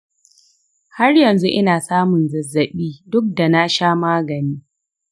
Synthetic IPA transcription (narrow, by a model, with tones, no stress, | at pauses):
ha˦rjɐ˨nzu˦ʔɪ̰˦naː˨saː˦mʊ˨nzɐ˨zːɐ˨ɓiː˦dʊ˦k̚da˨na˦ʃaː˦maː˦ɡɐ˨niː˦